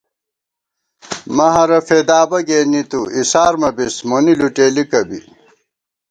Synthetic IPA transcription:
mɐɦɐɾɐfeːd̪aːbɐɡeːnit̪uisaːɾmɐbismoniluʈeːlikɐbḭ

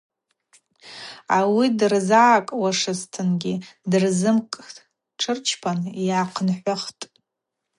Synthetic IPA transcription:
awidɨrzaːkʼwaʂɨstʰɨnɡʲidɨrzɨmkʼ | ʈ͡ʂʰɨrt͡ʃʰpʰanjaːqʰnħʷaχtʼ

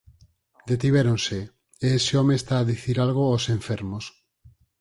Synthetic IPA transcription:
d̪et̪iβ̞eɾonse | eesɪɔmeːst̪aːðiθiɾalɣoosẽɱfeɾmos

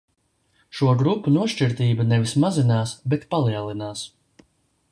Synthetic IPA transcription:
ʃuɔɡɾupːunuɔʃt͡ʃiɾt̪iːbɐnɛvismazinaːsbɛt̪palˠiɛlˠinaːs

